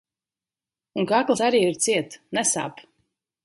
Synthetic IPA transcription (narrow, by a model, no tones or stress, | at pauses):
uŋkaklˠsaɾiːiɾt̪siɛt̪nɛsa̰ːp